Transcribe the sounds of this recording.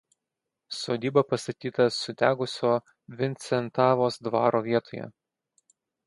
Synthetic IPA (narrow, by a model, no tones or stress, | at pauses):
soːd̪ʲiːbɐpɐst̪ɐt̪ʲiːt̪ɐsʊd̪ʲæːɡʊsʲoː | ʋʲɪnʲt̪sʲɛnt̪ɑːʋoːsd̪ʋɑːɾoːʋʲiɛt̪oːjɛ̰